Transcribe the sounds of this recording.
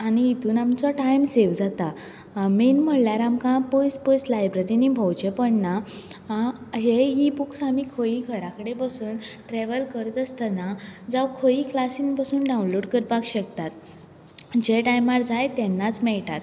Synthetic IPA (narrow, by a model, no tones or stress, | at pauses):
aɽ̃ñiːt̪uːnamt͡sɔʈajmseʋd͡zat̪a | menm̤əɽljaɾamkãpojspojslajbɾeɾinibʱɔwt͡ɕepəɳna | ɦeɦibuksamikʰoiɡʱəɾakəɽepəsuːnʈɾeʋəlkəɾt̪əst̪ənad͡zawkʰoiklasinpasuːnɖãwnloɽkəɾbaɡɕəkt̪at̪ | d͡ʑeʈajmaɾd͡zajt̪ɛnːat͡smɛɭʈat̪